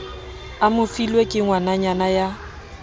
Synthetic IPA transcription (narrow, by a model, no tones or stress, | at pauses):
amʊfilwekʼɪŋwanaɲanaja